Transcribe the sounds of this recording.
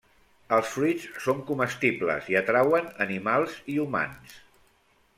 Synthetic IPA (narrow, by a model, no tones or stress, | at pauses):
əlˠsfɾit͡ssoŋkuməst̪iblə̰ziət̪ɾawənənimalˠziuma̰ns